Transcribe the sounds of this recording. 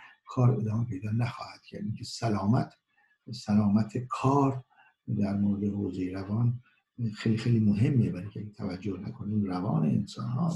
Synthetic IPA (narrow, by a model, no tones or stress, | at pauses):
kʰɒːɾe̞d̪ɒːmepʰe̞jd̪ɒːnæxɒːhæd̪̥cʰæ̰ɾd̪iŋkʲʰesælɒːmæt̪ʰ | sælɒːmæt̪ʰekʰɒːɾ | d̪æɾmoɾed̪ehoːzejeɾævɒːn | xejlixejliːmoɦe̞mːebæɾiŋcʰeɡet̪ʰævæd͡ʒːohnækʰo̞niːmrævɒːnḛḛnsɒ̰ːnhɒ̰ː